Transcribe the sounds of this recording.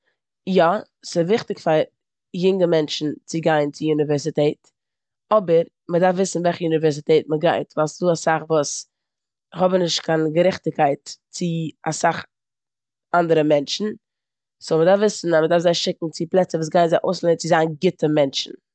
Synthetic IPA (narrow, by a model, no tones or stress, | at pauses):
jɔ | sɪvɪχtɪkfaɾ | jʊŋəmɛnt͡ʃn̩t͡sɪɡaɪnt͡sɪunɪvɛɾsitɛːt | ɔbəɾ | mədafvɪsn̩vɛlχəunɪvɛɾs̬itɛːt̚məɡaɪtvalˠsduːasaχvuːs | hɔbənɪʃtkanɡəɾɛχtɪkaɪtt͡sɪa̰saχ | andəɾəmɛnʃn̩ | somədaɾfvɪsn̩amədaɾfzaɪʃɪk̚ŋ̩t͡sɪplˠɛt͡səvuːs̬ɡaɪnzaɪʔoʊslˠɛnət͡sɪzaːnɡɪtʰəmɛnʃn̩